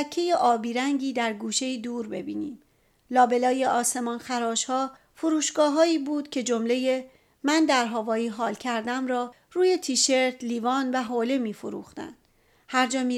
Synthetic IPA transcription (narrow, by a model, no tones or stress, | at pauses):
kʰːe̞je̞ʔɒːbiːɾæŋɟiːd̪æɾɡuːʃe̞jid̪uːɾbe̞̰biːniːm | lɒːbe̞lɒːje̞ɒːse̞mɒːnxæɾɒːʃhɒː | foɾuːʃɡɒːɦɒːiːbuːd̪̥cʰe̞d͡ʒo̞mle̞je̞ | mænd̪æɾɦɒːvɒːiːɦɒːlcʰæɾd̪æmɾɒː | ruːje̞t̪ʰiːʃe̞ɾt̪ʰliːvɒːnvæɦoːle̞miːfoɾṵːxt̪æ̰nd̪̥ | hæɾd͡ʒɒːmiː